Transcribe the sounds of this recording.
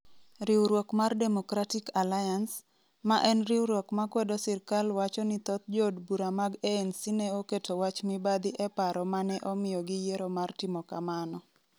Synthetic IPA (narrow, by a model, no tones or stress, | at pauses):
ɾiwɾwokmardɛmokɾatɪkalajans | maʔɛnriwɾwokmakwedosɪrkalwat͡ʃɔnit̪ɔt̪̚d͡ʒɔdbuɾamaɡeensineoketʰowat͡ʃmibad̪ɪʔɛpaɾɔmanɛʔomɪjɔɡɪjeɾomartɪmɔkamanɔ